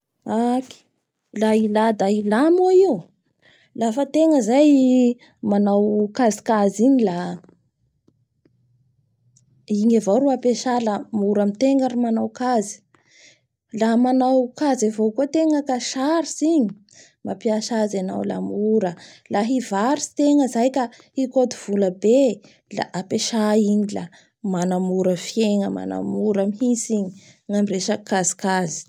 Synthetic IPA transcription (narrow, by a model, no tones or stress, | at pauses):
aki̥ | lailad̪ailamoiu | lafət̪eŋəzaj | manawkazi̥kaziɲila | iɲavoɾuapeʃalamuɾamit̪eŋɡaɾimanawkazi̥ | lamanawkazavokut̪eŋəkaʃaɾisiɲi | mapiaʃazana̰wla̰muɾəlaɦivaɾisi̥t̪eŋəzajka | ikot̪uv̥uləbe | la̰ʔapeʃaiɲila̰ | manamuɾəfjeŋəma̰na̰muɾəmihisiɲi̥ | ŋamireʃakazi̥kazi̥